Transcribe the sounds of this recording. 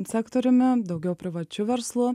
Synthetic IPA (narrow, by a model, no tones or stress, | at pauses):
sʲɛkt̪ɔɾʲʊmʲɪd̪ɒʊɡʲɛʊpʲɾʲɪʋɐt͡ʃʲʊʋʲɛɾslˠʊ